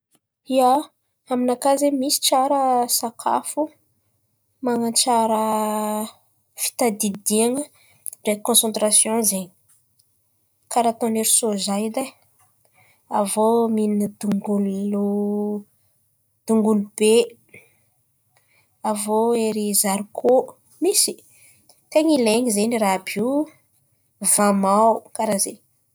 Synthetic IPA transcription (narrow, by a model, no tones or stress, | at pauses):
ia | aminakazemisi̥t͡ʃaɾəsakʰa̰fu | maŋat͡ʃaɾə | fi̥t̪ad̪id̪iaŋə | ɖ͡ʐekõsɑ̃nt̪ɾasjɔ̃zeɲ | kaɾat̪oneɾisozajid̪a | avominəd̪uŋɡulu | d̪̥uŋɡulub̥e | avoeɾizaɾukʰo | misi̥ | t̪eŋileɲizenirabu | vamawkaɾaze